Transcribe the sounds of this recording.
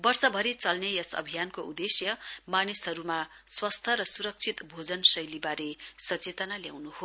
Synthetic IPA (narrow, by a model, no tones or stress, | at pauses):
bʌrsʌbʱʌɾit͡sʌlnejʌsʌ̰bʱijankoud̪esjʌmanisɦʌɾuma | swʌst̪ʰʌɾʌsuɾʌk̚t͡sʰit̪bʱod͡zʌnsʌjlibaɾesʌt͡set̪ʌnalja̰wnuɦo